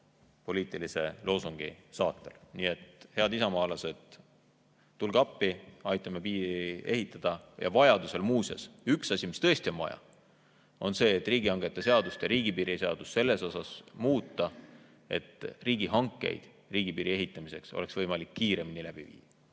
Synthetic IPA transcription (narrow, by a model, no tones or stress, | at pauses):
po̞liːt̪ˑilise̞lʔo̞ːsuŋɡ̥ḭsɑːt̪ːˑḛlniːe̞t̪he̞ɑd̪isɑmɑːlɑse̞d̪̥ | ulɡɑpːiɑjt̪ːˑɑme̞piːie̞ɦit̪ːˑɑd̪̥ɑjɑ̰vɑjɑd̪use̞lmuːsɑ̰syksɑsʲimist̪ɤ̞esʲt̪ionvɑ̰jɑ̰ | o̞nse̞ːt̪ːˑriːɡiɑŋɡ̥e̞t̪ːˑese̞ɑd̪ust̪jɑɾiːɡipiɾiseɑd̪ust̪se̞lːe̞so̞sɑsmuːt̪ːˑɑ | e̞̰t̪riːɡ̥iɦɑŋkːˑe̞̰jd̪̥ | riːɡ̥ipiːɾie̞ɦit̪ːˑɑmise̞ksole̞ksvɤjmɑlikːiːɾe̞minilæb̥ivḭːjɑ̥